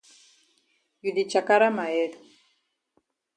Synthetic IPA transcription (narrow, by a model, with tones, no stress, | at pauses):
ju˨ði˨t͡ʃa˨ka˦ɾa˦ma˨ɛ˦ðu˨